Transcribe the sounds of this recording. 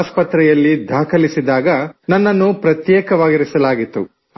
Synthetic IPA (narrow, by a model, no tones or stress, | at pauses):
spɐt̪ɾɛjɐlːid̪ʱaːkɐlisid̪aːɡɐnɐnːɐnːupɾɐt̪jɛːkɐʋaːɡiɾisɐlaːɡit̪ːu